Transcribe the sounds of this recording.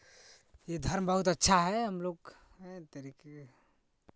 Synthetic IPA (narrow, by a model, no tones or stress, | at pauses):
jed̪ʱəɾmbəɦut̪ətːʃʰaɦɛɦəmloɡ | ɦt̪əɾike